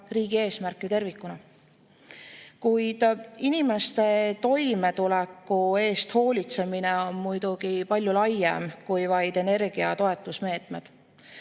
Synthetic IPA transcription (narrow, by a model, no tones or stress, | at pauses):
riːɡ̥ie̞ːsmærkːˑit̪e̞rvikːˑunɑ | kujd̪̥inime̞st̪e̞t̪o̞jme̞t̪ulɛkˑːue̞ːst̪ho̞ːlʲit̪se̞mineo̞nmujd̪̥uɡ̥ipɑlʲjulɑjːḛmkujvɑjd̪̥e̞ne̞rɡ̥iɑt̪o̞e̞t̪ːˑusme̞ːt̪ˑme̞d̪̥